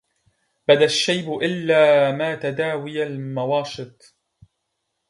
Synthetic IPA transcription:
bad̪aʃːajbʊʔɪlːaːmaːt̪ad̪aːwɪjalmawɑːʃɨt̪̚ˤ

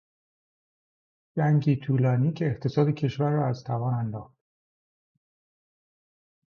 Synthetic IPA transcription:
d͡ʒæŋɟiːt̪ʰuːlɒːniːcʰeːχt̪ʰe̞sɒːd̪e̞cʰe̞ʃvæɾːɒːæz̥t̪ʰævɒːnænd̪ɒːxt̪

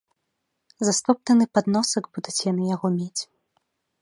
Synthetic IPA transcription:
zast̪ɔp̚t̪ɐnɨpad̪nɔsɐɡbud̪ut͡sʲjanɨjaɣɔmʲet͡sʲ

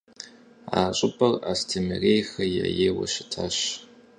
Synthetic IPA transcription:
aːɕʼɪpʰʼɐraːstʰemɨrejxɐjɛjeːwɐʃɪtʰaɕ

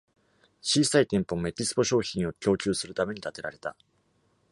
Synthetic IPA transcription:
t͡ɕiːsait̪ẽ̞mpo̞mme̞t̪ʲisɨ̥po̞ɕo̞ːçĩɰ̃o̞kʲo̞ːt͡ɕʲɨːsɨɾɯ̟t̪ame̞ɲ̟it̪at̪e̞ɾaɾe̞t̪a̰

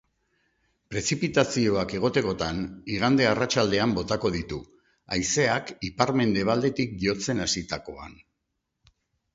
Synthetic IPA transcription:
pɾe̞sipit̪asio̞ake̞ɣ̞o̞t̪e̞ko̞t̪aniɣ̞and̪e̞arat͡ʃald̪e̞ambo̞t̪ako̞ð̞it̪u | ajse̞akipaɾme̞nd̪e̞β̞ald̪e̞t̪ik̚ɡio̞t͡se̞nasit̪ako̞a̰n

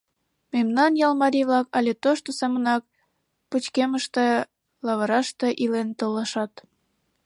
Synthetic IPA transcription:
memnɑnjɑlmɑɾʲijβlɑkɑlʲet̪oʃt̪osɑmənɑk̚ | put͡ɕkeməʃt̪e | lɑβəɾɑʃt̪eʔilent̪oləʃɑt̪

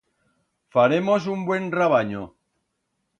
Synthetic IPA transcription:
faɾemosumbwe̞nraβ̞aɲo

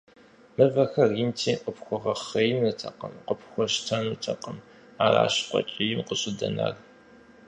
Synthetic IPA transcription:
mɨvɐxɐriːntʰiːqʼəpxʷɔʁɐχɐjnɐtʰɐqəmqəpʰxʷɔʃtʰɐnutʰɐqəm | aːra̰ːɕqʷʼɔ̰t͡ʃʼijɪmqəɕʼɪdɐ̰na̰r

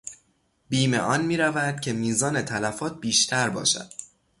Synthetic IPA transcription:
biːme̞̰ʔɒːnmiːɾævæd̪̥cʰe̞miːzɒːne̞t̪ʰælæfɒːt̪̚ʰbiːʃt̪ʰæɾbɒ̰ːʃæ̰d̪̥

